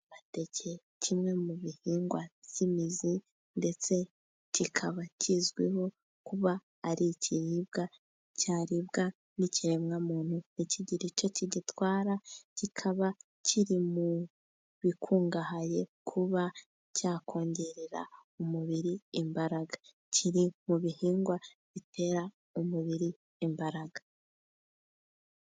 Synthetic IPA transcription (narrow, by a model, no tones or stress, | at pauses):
βate̞cʰe | cʰimŋe̞muβihiːŋɡwaz̥imizi | nde̞t͡se̞ | cikʰaβacizɡwḛho̞ | kuβaː | ɾiciɾib̚ɡa | caːɾibɡa | niciɾe̞mŋamuːn̥huniciɟiɾit͡ʃo̞ciɟitwaːɾacikʰaβa | cʰiɾimu | βikʰuːŋɡaɦaje̞kʰuβa | caːkʰo̞ːɲɟeɾeɾa̰umuβiɾiːmbaɾaɡḁ | cʰiɾimuβihiːŋɡwaβitʰe̞ɾa | umuβiɾiː | mbaɾaɡa